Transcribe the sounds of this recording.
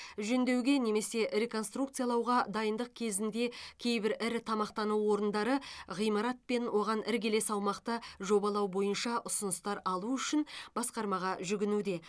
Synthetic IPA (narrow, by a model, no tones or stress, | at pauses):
ʒɵnd̪e̞wɡʲe̞ne̞me̞se̞ɾe̞ko̞nst̪ɾukt̪sɨjaɑlˠɑwʁɑd̪ɑjənd̪əq̚kʲʰe̞zɪnd̪e̞kʲʰe̞jbɪɾɪɾt̪ʰɑmɑqt̪ɑnuwːo̞ɾənd̪ɑɾəʁijmɑɾɑt̪̚pe̞nwʔo̞ʁɑnɪɾɡʲe̞le̞sɑwmɑqt̪əʒo̞bɑlˠɑwbo̞jənʃɑʔʊsʊnəst̪ɑɾɑlˠuʏʃɪnb̥ɑsqɑɾmɑʁɑʒʏɡʲɪnud̪e̞